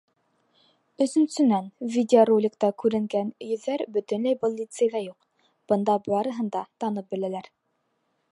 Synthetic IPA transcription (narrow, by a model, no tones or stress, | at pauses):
ɵ̆sɵ̆nsɵ̆nænvʲidʲɪorolʲɪkt̪ɑkʉɾɘ̆ŋɡænjɵ̆ðːæɾbɵ̆t̪ɵ̆nlæjbɤlˠːʲit̪sɨjðæjuq | b̥ɤ̆nd̪ɑbɑɾɤ̆ɦɤ̆nd̪ɑt̪ɑnɤp̚bɘ̆lælæɾ